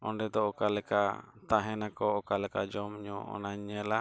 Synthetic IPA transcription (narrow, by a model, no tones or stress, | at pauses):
ɔ̰ɳɖɛd̪ɔɔkalɛka̰t̪aɦɛnakɔɔkalɛkad͡ʒɔmɲɔɔ̰naɲːɛla